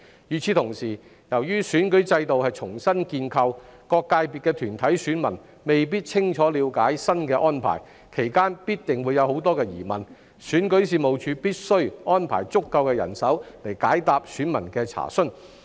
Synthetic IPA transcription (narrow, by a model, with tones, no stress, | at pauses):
jyː˨˩t͡sʰiː˨˧t̪ʰʊ˨˩ŋsiː˨˩ | jɐ˨˩wjyː˥syː˨˥nkɵ˨˥ɥt͡sɐ˧jt̪o˨whɐ˨jt͡sʰʊ˨˩ŋsɐ˥nkiː˧nkʰɐ˧wkɔː˧kːaː˧jpiː˨t̚kːɛː˧t̪ʰyː˨˩nt̪ʰɐ˨˥jsyː˨˥nmɐ˨˩n | me˨jp̬iː˥t̚t͡sʰɪ˥ŋt͡ʃʰɔː˨˥liː˨˧wkaː˨˥jsɐ˥nkɛː˧ʔɔː˥npʰa̰ː˨˩j | kʰe˨˩jkaː˥npiː˥t̚t̪ɪ˨˩ŋwuː˨˧jɐ˨˧who˨˥wt̪ɔː˥kɛː˧jiː˨˩mɐ̰˨˩n | syː˨˥nkɵ˨˥ɥsiː˨˧mo˨wt͡ʃʰyː˨˧piː˥t̚sɵ˥ɥɔː˥npʰa̰ː˨˩jt͡sʊ˥kːɐ˧wkɛː˧jɐ̰˨˩nsɐ˨˥wle˨˩jkaː˨˥jt̪aː˨p̚syː˨˥nmɐ˨˩nkɛː˧t͡sʰa̰ː˨˩sɵ˥n